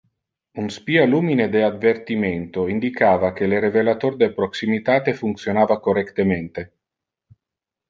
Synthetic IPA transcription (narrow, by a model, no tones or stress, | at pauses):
unspialuːmined̪ead̪vert̪iment̪oind̪ikaːvak̟eleɾevelat̪ord̪epɾoksimit̪aːt̪efunt̪sjonaːvakorɛkt̪ement̪e